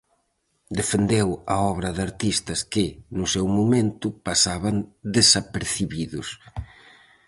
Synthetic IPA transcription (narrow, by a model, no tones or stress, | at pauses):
d̪efend̪ewɐɔβɾɐðaɾt̪ist̪ɐskɪnʊsewmumẽnt̪ʊpasaβɐnd̪esapeɾθiβiðʊs